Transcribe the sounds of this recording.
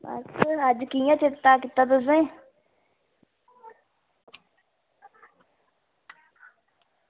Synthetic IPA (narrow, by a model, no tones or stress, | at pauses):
ə̰tʃʰaəd͡ʒkijãːt͡ʃɪt̪aːkɪt̪aːd̪əs̬ẽː